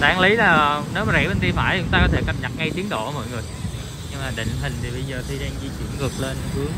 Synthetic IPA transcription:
ɗaː˨˧˦ŋli˨˦laː˨˩ne˨˦wmːa˨˩zɛ̰˧˩ɓe˧nt̪ḭ˧əfaː˧˩jt͡ɕʊ˧˦ŋ͡mt̪aː˧kɔ˨˦t̪ʰe˧˩kə˧˩p̚ɲə˨˩t̚ŋa˧jt̪i˨˦ənɗo̰˧˨ʔəː˧˦mɔ̰˧˨jŋɨ˨˩əj | ɲɨ˧ŋmaː˨˩ɗḭ̈˧˨ŋ̟t̪ï˨˩ŋ̟t̪ʰi˨˩ɓə˧jzəː˨˩t̪ʰi˧ɗaː˧ŋzi˧t͡ɕwḭ˧˩ənŋɨ˨˩ək̚le˧nkɨ˨˦əŋ

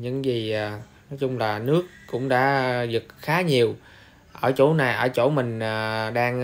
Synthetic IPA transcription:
ɲɨ̰˧˥ŋzi˨˩ʔ | nɔ˨˦jt͡ɕʊ˧ŋ͡mlaː˨˩nɨ˦˥ək̚ːʊ̰˧˥ŋ͡mɗa̰ː˧˥zɨ˨˩t̚xaː˨˦ɲi˨˩əw | ʔəː˧˩t͡ɕo̰˧˥na˨˩jʔəː˧˩t͡ɕo̰˧˩mï˨˩ŋ̟ː˨˩ɗaː˧ŋ

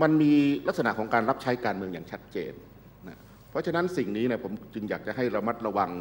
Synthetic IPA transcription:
ma˧nmiː˧la˦˥k̚sa˧na˨˩ʔkʰɔː˩˦ŋkaː˧nɾa˦˥p̚t͡ɕʰa˦˥jkaː˧nmɯ˧ŋjaː˨˩ŋt͡ɕʰa˦˥t̪̚t͡ɕḛː˧nː | a˦˥ | pʰɾɔ˦˥t͡ɕʰa˧na˦˥nsi˨˩ŋniː˦˥nɛ˧˩pʰo˩˦mt͡ɕɯ˧ŋjaː˨˩k̚t͡ɕa˨˩ɦa˥˩jɾa˧ma˦˥t̪̚ɾa˧wa˧ŋ

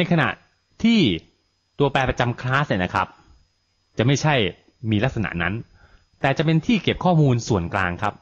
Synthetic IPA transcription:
na˧jkʰa˧na̰˨˩ʔ | t̪ʰiː˥˩ | t̪u˧ɐpɛː˧pɾa˧t͡ɕa˧mkʰlaː˦˥s̚ni˨˩na˦˥kʰa˦˥p̚ | t͡ɕa˨˩ma˥˩jt͡ɕʰa˥˩j | miː˧la˦˥k̚sa˧na̰˨˩ʔna˦˥n | t̪ɛː˨˩t͡ɕa˨˩pe˧nt̪ʰiː˥˩ke˨˩p̚kʰɔː˥˩muː˧nsu˨˩ənklaː˧ŋkʰa˦˥p̚

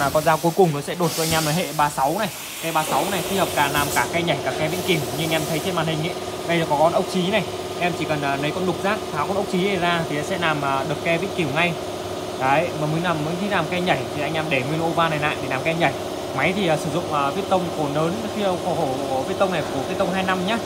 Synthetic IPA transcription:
aː˨˩kɔ˧nzaː˧wku˨˦jkʊ˨˩ŋ͡mnɔ˨˦sɛ̰˧˥ɗo˨˩t̚t͡ɕɔ˧ʔa˧ŋ̟ʔa˧mla˨˩ɦḛ˧˨ɓaː˧sa˨˦wna˨˩j | kɛ˧ɓaː˧sa˨˦wna˨˩jxi˧həː˨˩p̚zaː˨˩naː˨˩mkaː˧˩kaːɛ˧ɲa˧˩jkaː˧˩kːɛ˧vḭ˧˨ənki˨˧˩əwɲɨ˧ʔŋʔɛ˧mt̪ʰə˨˦jt̪ʰe˧nmaː˨˩nhï˨˩ŋ̟ʔə̰˧˦ | ɓə˧jzəː˨˩kɔ˨˦kɔ˧nʔə˦˥k͡p̚t͡ɕi˨˦na˨˩j | ʔɛ˧mt͡ɕi˧˩kə˨˩nəː˨˩nə˨˦jkɔ˧nɗʊ˨˩k͡p̚zaː˦˥k̚t̪ʰaː˨˦wkɔ˧nʔə˦˥k͡p̚t͡ɕi˨˦ɗe˧˩zaː˧t̪ʰi˨˩˨sɛ̰˧˥laː˨˩mʔəː˨˩ɗɨ˨˩əkːɛ˧vḭ˧˨ənki˧˩wŋa˧j | ka̰ː˨˦˧məː˨˩mə˨˦nlaː˨˩mə˨˦t̪ʰi˨˦laː˨˩mkɛ˧ɲa˧˩jt̪ʰi˨˩ʔa˧jŋ̟ʔa˧mɗe˧˩ŋwi˧ənʔo˧vaː˧na˨˩jna̰ː˧˨ɗe˧˩naː˨˩mka˧ɛ˧ɲa˧˩j | ma˨˦jt̪ʰi˨˩ʔəː˨˩sɨ˧˩zʊ̰˧˨ŋ͡mʔəː˨˩vi˦˥ət̚t̪ə˧wŋ͡mko˧˩nəː˨˦nxi˧ə˧xo˧˩ho˧˩˧vi˦˥t̚t̪ə˧wŋ͡mna˨˩jku˧˩əvi˨˦˥t̪ə˧wŋ͡mɦaː˧jna˧mɲaː˨˦˥

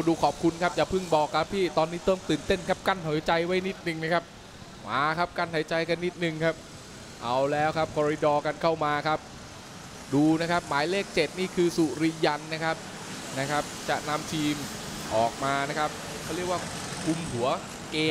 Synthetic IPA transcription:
duː˧kʰɔː˨˩p̚kʰu˧nkʰa˦˥p̚ja˨˩pʰɯ˥˩ŋbɔː˨˩kʰːa˦˥pʰːiː˥˩t̪ɔː˧nːiː˦˥t̪ɤ˧ŋt̪ɯː˨˩nt̪e˥˩nkʰa˦˥p̚ka˥˩nɦa˨˦jt͡ɕa˧jwa˦˥jni˦˥t̪̚nɯ˨ŋna˦˥kʰa˦˥p̚ | ma̰ː˨˦kʰa˦˥p̚ka˥˩nha˨˩˦jt͡ɕa˧jka˧nːi˦˥t̪̚nɯ˨˩ŋkʰa˦˥p̚ | ʔa˧wlɛː˦˥wkʰa˦˥p̚kʰɔː˧ɾi˧dɔː˧ka˧nkʰa˥˩wmaː˧kʰa˦˥p̚ | duː˧na˦˥kʰa˦˥p̚maː˨˩˦jleː˥˩k̚t͡ɕe˨˩t̪̚niː˥˩kʰɯː˧su˨˩ɾi˧ja˧nːa˦˥kʰa˦˥p̚ | na˦˥kʰa˦˥p̚t͡ɕa̰˨˩ʔna˧mt͡ɕʰiː˧m | ʔɔː˨˩k̚maː˧na˦˥kʰa˦˥p̚ | kʰa˥˩wɾi˥˩ək̚waː˥˩ | kʰu˧mhu˩˦ɐ | keː˧

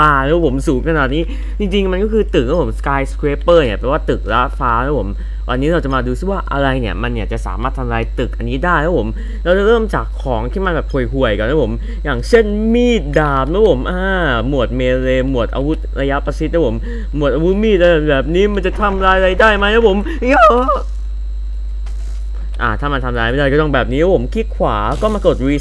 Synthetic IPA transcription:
aː˧˩lɛː˦˥˦pʰo˩˦msuː˨˩˦ŋkʰa˧na˨˩t̪̚niː˦˥ | t͡ɕi˧ŋt͡ɕi˧ŋma˧nkɔ˥˩kʰɯː˧t̪ɯ˨˩k̚ɾa˦˥pʰo˩˦mskaː˧jskɾeː˧pːɤː˥˩ni˨˩pʰɾa˧˩waː˥˩t̪ɯ˨˩k̚ɾaː˦˥faː˦˥t̪ʰa˦˥pʰo˩˦m | wʔa̰˧nːiː˦˥ɾa˧wt͡ɕa˨˩maː˧duː˧i˥˩waː˥˩ʔa̰˧ɾa˧jni˥˩ɐma˧nji˨˩kt͡ɕa˨˩ʔsa̰ː˩˦maː˥˩t̪ʰa˧mɾaː˧jt̪ɯ˨˩k̚ʔa˧nːiː˦˥daː˥˩jt̪ʰɛ˦˥pʰo˩˦m | ɾːwt͡ɕa˨˩ɾɤː˥˩mt͡ɕaː˨˩kʰːɔː˩˦ŋt̪ʰiː˥˩ma˧nbɛː˨˩p̚kʰu˨˩jɦu˨˩əjka˨˩t̪a˦˥pʰo˩˦m | jaː˨˩ŋt͡ɕʰe˥˩nmiː˥˩t̪̚daː˨˩p̚nʰɛ˦˥pʰo˩˦mʔaː˧˩mu˨˩ə˩t̪̚meː˧ɾeː˧mu˨˩ət̪̚ʔa̰˧wu˦˥t̪̚ɾa˧ja˦˥pa˧si˦˥nʰɛ˦˥pʰo˩˦m | mu˨˩t̪̚ʔaː˧wu˦˥t̪̚miː˥˩a˧˨˩bɛː˨˩p̚niː˦˥ma˧nt͡ɕa˨˩t̪ʰa˧mɾaː˧jɾa˧jdaː˥˩jma˦˥jnʰɛ˦˥pʰo˩˦m˧˥ɔː˧˥˩ | ʔa̰ː˧˩t̪ʰaː˥˩ma˧nt̪ʰa˧mɾaː˧jma˦˥˩aː˥˧jkɔ˥˩t̪ŋbɛː˨˩p̚niː˦˥ɛ˦˥pʰo˩˦mkʰi˦˥t̪̚kʰwaː˩˦kɔː˥˩maː˧ko˨˩t̪̚ɾiː˧

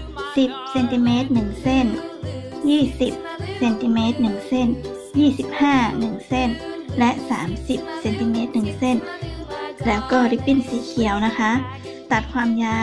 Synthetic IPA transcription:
si˨˩p̚se˧nt̪i˧meː˦˥t̪̚nɯ˨˩ŋse˥˩n | jiː˥˩si˨˩p̚se˧nt̪i˧meː˦˥t̪̚nɯ˨˩ŋse˥˩n | jiː˥˩si˨˩p̚haː˥˩nɯ˨˩ŋse˥˩nlɛ˦˥ʔsa̰ː˨˩˦msi˨˩p̚se˧nt̪i˧meː˦˥t̪̚nɯ˨˩ŋse˥˩n | lɛː˦˥wkɔː˥˩ɾa˧˩pi˧˩nsiː˨˦kʰi˨˩˦əwna˦˥kʰa˦˥ʔ | t̪a˨˩t̪̚kʰwaː˧mjaː˧˥

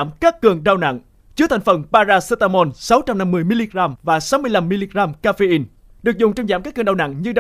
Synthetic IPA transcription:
mkaː˦˥kkːɨ˨˩əŋɗaː˧wna̰˧˨ŋ | t͡ɕɨ˧˦ət̪ʰa˨˩ŋ̟fə˨˩nɓaː˧zaː˧se˧t̪aː˧mo˧nsa˨˦wt͡ɕa˧mna˧mːɨ˨˩əjmi˧li˧ɣɣaː˧mvaː˨˩sa˨˦wmɨ˧əjla˧mːi˧li˧ɣɣaː˧mkaː˧fe˧ʔi˧n | ɗɨ˨˩ək̚zʊ˨˩ŋ͡mt͡ɕɔ˧wŋ͡mzaː˧˩mkaː˦˥k̚ɨ˨˩ŋɗaː˧na̰˧˨ŋɲɨ˧ɗ

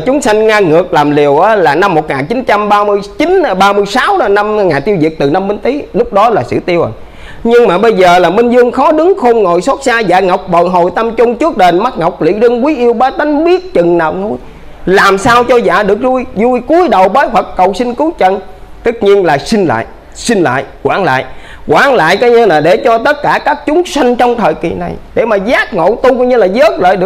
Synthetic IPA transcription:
t͡ɕʊ˨˦ŋ͡msa˧jŋŋaː˧ŋɨ˨˩ək̚laː˨˩mli˨˩əwʔaː˨˦laː˨˩na˧mːo˨˩t̚ŋaː˨˩nt͡ɕi˨˦nt͡ɕa˧mɓaː˧mɨ˧əjt͡ɕi˨˦n˧ɓaː˧mɨ˧əjsaː˨˦wɗɔ˨˦na˧m˧ŋaː˨˩nt̪i˧əwzḭ˨˩ək̚t̪ɨ˨˩na˧mːï˧ŋt̪i˨˦lʊ˦˥k͡p̚ɗɔ˨˦laː˨˩sɨ̰˧˨t̪i˧əwʔə̰˨˩ | ɲɨ˧ŋmaː˨˩ɓə˧jzəː˨˩laː˨˩mï˧ŋ̟zɨ˧əŋxɔ˨˦ɗɨ˨˦ŋxo˧nŋo̰˧˨jsa˦˥t̚saː˧za̰ː˧˩ŋɔ˨˩wk͡p̚ɓo̰˧˨jɦo˨˩jt̪ə˧mt͡ɕʊ˧ŋ͡mt͡ɕɨ˦˥ək̚ɗe˨˩nma˦˥t̚ŋɔ˨˩wk͡p̚lḭ˧˥zɨ˧ŋkwi˨˦ʔi˧əwɓaː˨˦ɗ̪a˨˦ŋ̟ɓi˦˥ət̚t͡ɕɨ˨˩ŋnaː˨˩wŋu˧˩j | laː˨˩msaː˧wt͡ɕɔ˧za̰ː˧˩ɗɨ˨˩ək̚zu˧jzu˧jku˨˦əjɗə˨˩wɓəː˨˦jhwə˨˩kːə˨˩wsï˧ŋ̟kɨ˨˦t͡ɕə˧˩˨n | t̪ɨ˦˥k̚ɲi˧ənlaː˨˩sï˧ŋ̟la̰ː˧˨j | sï˧ŋ̟la̰ː˧˨jkwaː˧˩˦nla̰ː˧˨j | kwaː˧˨˩nla̰ː˧˨jkaː˨˦jɲə˧naː˨˩ɗe˧˩t͡ɕɔ˧t̪ə˦˥t̚kaː˧˩kaː˦˥k̚t͡ɕʊ˨˦ŋ͡msa˧ŋ̟t͡ɕɔ˧wŋ͡mt̪ʰəː˨˩jkḭ˨˩na˨˩jɗe˧˩maː˨˩zaː˦˥k̚ŋo̰˧˨t̪u˧kɔ˧wɲɨ˧laː˨˩zəː˦˥t̚lə̰ː˧˨jɗɨ˨˩ə

